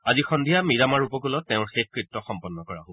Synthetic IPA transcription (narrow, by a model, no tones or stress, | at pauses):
azixɔnd̪ʱijamiɹamaɹupɔkulɔtːɛʊ̃ɹxexkɹitːɔxɔmpɔnːɔkɔɹa̰ɦʊ̃